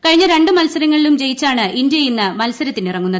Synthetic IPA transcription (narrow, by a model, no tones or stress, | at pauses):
kɐɻiɲːɐɾe̞ɳɖɨmɐlsɐɾɐŋːɐɭilumt͡ɕe̞jit͡ɕːaːɳɨindjɐjinːɨmɐlsɐɾɐt̪ːindirɐŋːunːɐðɨ